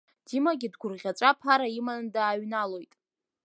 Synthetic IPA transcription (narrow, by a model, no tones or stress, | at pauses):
d̥imaɡʲidɡʷʊrʁʲat͡ʃʷʼapʰaɾaimandaːɥnalo̞jtʼ